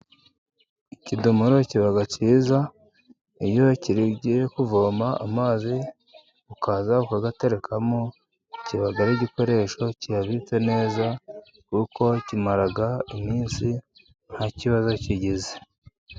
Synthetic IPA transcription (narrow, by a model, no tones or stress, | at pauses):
icidumuɾo̞ciβaɡaciːza | ijo̞ciɾibɟekuvo̞ːma̰ːmaːzi | ukazaukaɡate̞ɾe̞kʰamo | ciβaɡaɾiɟiko̞ɾe̞ʃo̞cijaβit͡se̞ne̞ːza | kuko̞cimaɾaɡaimiːnsi | n̥haciβazo̞ciɟize